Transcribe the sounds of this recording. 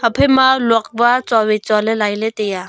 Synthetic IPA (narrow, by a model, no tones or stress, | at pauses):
əpʰəjmalɔk̚bat͡sɔwit͡ʃɔlelajlet̪eja